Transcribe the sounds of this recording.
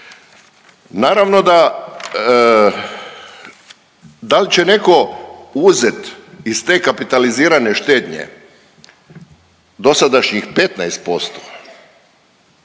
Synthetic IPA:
naːɾaʋno̞d̪a | d̪alit͡ɕe̞ne̞ko̞uze̞t̪ist̪e̞ːkapit̪aliziːɾane̞ʃt̪e̞ːd̪ɲḛ | d̪o̞sad̪aʃɲixpe̞t̪najst̪̚po̞st̪o̥

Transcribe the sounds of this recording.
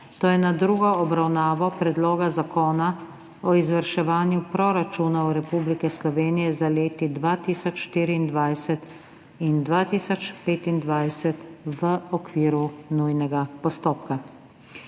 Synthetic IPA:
t̪oːjɛnad̪ɾuːɡɔɔbɾawnaːʋɔpɾɛd̪loːɡazakoːna | ɔizʋəɾʃɛʋaːnjupɾɔɾat͡ʃuːnawɾɛpuːblikɛslɔʋeːnijɛzaleːt̪id̪ʋat̪iːsɔt͡ʃʃt̪iːɾiind̪ʋajsɛt̪ | ind̪ʋat̪iːsɔt͡ʃpeːt̪ind̪ʋajsɛt̪ʋəɔkʋiːɾunujnɛɡapɔst̪oːp̚ka

